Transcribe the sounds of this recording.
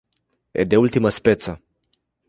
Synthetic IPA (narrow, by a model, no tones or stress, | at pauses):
ḛd̪eult̪iməspet̪sə